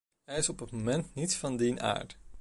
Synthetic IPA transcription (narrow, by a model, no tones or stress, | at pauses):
ɦɛjɪsɔpətmomɛntnitsfɑndinʔa̰ːɹt